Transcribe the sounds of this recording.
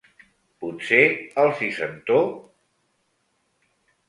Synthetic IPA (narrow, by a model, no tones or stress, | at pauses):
put̪seəlˠsisənt̪o